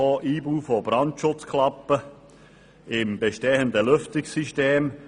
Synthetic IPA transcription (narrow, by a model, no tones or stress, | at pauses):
oʔiːbuːfobrɑntʃʊt͡skʰlɑpːə | ɪmbeʃteːəndəlʏftɪksiʃteːm